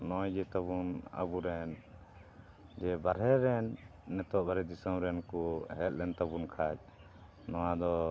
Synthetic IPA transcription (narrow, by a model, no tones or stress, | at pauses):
nɔjd͡ʒɛt̪aβuna̰buɾɛn | d͡ʒɛbaɾɛɾɛnːɛt̪ɔʔbaɾɛd̪isɔmɾɛnkuɦɛl̚lɛnt̪abunkʰad͡ʒ̚ | nɔwad̪ɔ